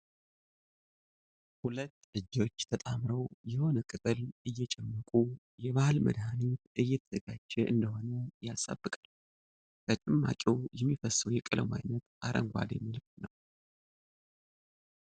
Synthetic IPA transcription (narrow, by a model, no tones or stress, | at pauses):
hulət̪ːlɨd͡ʒo̞t͡ʃːt̪ʰət̪ʼamɾəwjɛho̞nəkʼɨt̪ʼɨlɨjːɛt͡ʃʼɛmːəkʼu | jɛβahɨlmə̰d̪hanit̪ʔɨjːɛt̪ʰəzəɡad͡ʒːɛʔɨnd̪əho̞nəjasa̰bːɨkʼal | t̪ʰət͡ʃʼɛmːa̰t͡ʃʼɛwjɛmːifəsːəwjɛkʼɨlə̰ma̰jnət̪ʔaɾʔə̰ŋɡʷa̰d̪jɛ̰mːilɨkt̪nəw